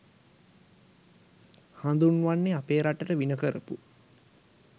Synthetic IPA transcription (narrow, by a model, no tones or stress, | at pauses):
hand̪unʋanːeapeːɾaʈəʈəʋinəkəɾə̰pu